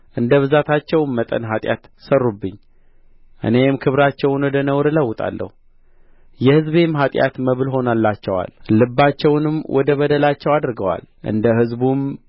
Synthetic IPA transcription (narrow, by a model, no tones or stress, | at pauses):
ʔɨnd̪əβɨzat̪ʰat͡ʃːɛwmmət̪ʼə̰nɦat̪ʼja̰t̪ | sərːubːɨɲː | ʔɨ̰ne̞mkʰɨβɾat͡ʃːɛwnwɔd̪ənəwɾɨləwːʊt̪ʼa̰lːʔə̰hu | jɛhɨzβe̞mɦat̪ʼja̰t̪məβɨlɦo̞nalːat͡ʃːɛwa̰llɨbːat͡ʃːɛwnɨmwʔɔd̪əβəd̪əlat͡ʃːɛwad̪ɾɡəwa̰lʔɨ̰nd̪əhɨzbum